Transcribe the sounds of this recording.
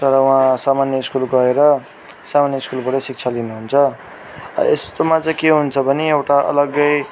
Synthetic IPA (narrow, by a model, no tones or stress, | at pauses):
t̪ʌɾʌwɦãsamanjʌiskulɡʌeɾʌ | samanjʌiskulbʌɽʌsik̚t͡sʰalinuɦunt͡sʰʌ | est̪omat͡sʌ̃keɦunt͡sʰʌbʱʌniewʈaʌ̰lʌɡʌj